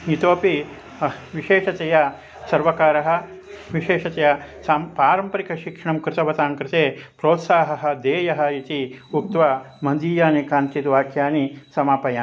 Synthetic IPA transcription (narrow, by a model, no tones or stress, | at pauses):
it̪oːpi | ʋiʃeːʃɐt̪ejɐ | sɐɾʋɐkaːɾɐɦɐ̆ | ʋiʃeːʂɐt̪ejɐsampaːɾɐmpɐɾikɐʃikʂɐɳɐmkɾɪt̪ɐʋɐt̪aːŋkɾɪt̪eːpɾoːt̪saːɦɐɦɐ̆d̪eːjɐɦɐ̆it̪iuk̚t̪ʋa | mɐnd̪iːjaːnikaːnt̪id̪ʋaːkʰjaːnisɐmaːpɐjaː